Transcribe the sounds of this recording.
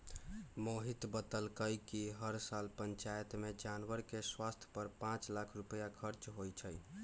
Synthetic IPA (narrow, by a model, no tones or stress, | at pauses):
moɦit̪bət̪əlkəjkiɦəɾsalpənt͡ʃajət̪med͡ʒanwəɾkeswast̪ʰjə̥pəɾpãt͡ʃlakʰɾupəjakʰəɾt͡ʃɦojt͡ʃʰəj